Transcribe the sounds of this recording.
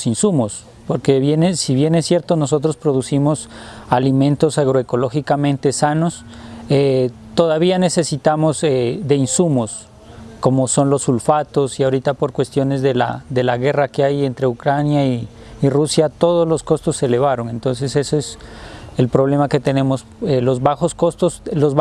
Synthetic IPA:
sinsumos | po̞ɾkeβjenesiβje̞nesːje̞ɾt̪o̞no̞so̞t̪̬ɾo̞spɾo̞ð̞usimo̞salimẽ̞nt̪o̞saɣ̞ɾo̞e̞ko̞lo̞xikamẽ̞nt̪e̞sano̞s | e | t̪o̞ðaβ̞iane̞se̞sit̪amo̞zed̪e̞insumo̞s | ko̞moso̞nlo̞sulfat̪o̞siaoɾit̪apo̞ɾkwe̞st̪jo̞ne̞zðela̰ðe̞laɣe̞rakeaje̞nt̪ɾe̞ukɾanjaiː | rusjat̪o̞ð̞ozlo̞sko̞st̪osːele̞βaɾo̞ŋe̞nt̪o̞ns̬e̞se̞soeselpɾo̞β̞le̞make̞t̪e̞nẽ̞mo̞s | elo̞zβaxo̞sko̞st̪osloz

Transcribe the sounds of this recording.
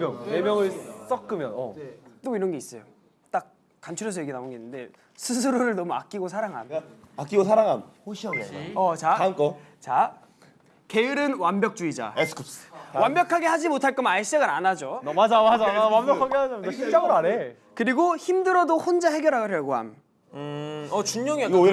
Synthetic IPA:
jʌŋemjʌŋɯɭs͈ʌk͈ɯmjʌnʌ̰t͈oiɾʌnɡe̞is͈ʌjo | t͈ak̚ | k͈ant͡ɕʰuɾjʌsʰʌje̞ɡinaonɡe̞inːɯnde̞̰ | sʰɯsʰɯɾoɾɯɭnʌmua̰k̚k͈iɡosʰaɾaŋɦa̰na | ak͈iɡosʰaɾaŋɦanhoɕʰiʌneʌt͡ɕaank͈ʌ | t͡ɕa | ke̞iɾɯnwanbjʌk̚t͡ɕ͈uid͡ʑa̰esʰkʰupswambjʌkʰaɡe̞had͡ʑimotʰaɭk͈ʌmnais͈eɡɯɾanad͡ʑomad͡ʑamad͡ʑawambjʌkʰaɡead͡ʑaaɕʰit͡ɕ͈aɡɯɾaɾe | kɯɾiɡoçimdɯɾʌdohond͡ʑahe̞ɡjʌɾɦaɡoɾʰjʌɭɡoɦa̰m | ɯʌt͡ɕuɲːʌŋia

